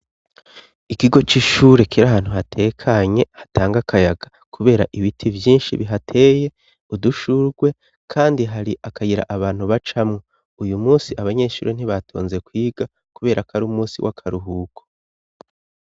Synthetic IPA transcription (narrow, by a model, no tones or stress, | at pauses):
ikiɡo̞t͡ʃiʃuːɾe̞kiɾaɦaːn̥huɦatʰe̞ːkʰaɲe̞hatʰaːŋɡakʰajaɡa | kʰuβe̞ːɾa̰ʔiβitʰivjiːnʃḭβiɦatʰe̞ːje̞ | uduʃuɾɡwe̞ | kʰaːndiɦaɾiʔakʰajiɾa̰ʔaβaːn̥huβat͡ʃamŋo | ujumuːsiʔaβaɲe̞ʃṵːɾe̞n̥hiβatʰo̰ːnze̞kwiːɡ̥a | kuβe̞ːɾʔakʰaɾumuːsḭwʔa̰kʰaɾuɦukʰo